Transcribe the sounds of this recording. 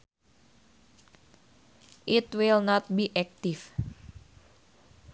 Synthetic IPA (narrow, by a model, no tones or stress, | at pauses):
ʔit̪wilnɔt̪̚biʔɛk̚t̪if